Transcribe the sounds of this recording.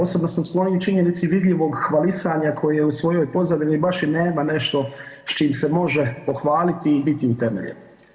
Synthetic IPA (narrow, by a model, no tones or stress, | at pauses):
osobnosamslˠoniut͡ʃiɲe̞nit̪siʋid̪ʎiʋo̞ɡxʋalisaɲakʰo̞jeusʋo̞jo̞jpo̞zad̪inibaʃine̞ːmane̞ʃt̪o̞st͡ʃiːmse̞mo̞ʒe̞po̞xʋaːlit̪iːbit̪iut̪e̞mḛʎḛno